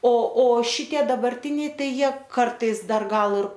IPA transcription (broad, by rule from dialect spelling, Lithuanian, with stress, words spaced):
oː oː ˈʃʲɪtʲiɛ dɐbɐrʲˈtʲɪnʲɛɪ ˈtɐɪ ˈjiɛ ˈkɐrtɐɪs ˈdɐr ˈɡɐlˠ ɪr